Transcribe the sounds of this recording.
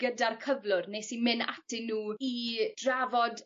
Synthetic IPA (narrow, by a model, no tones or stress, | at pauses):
ɡ̥ədarkʰəvlˠʊrnesimɪna̰tʰɪnːuːid̥ravɔd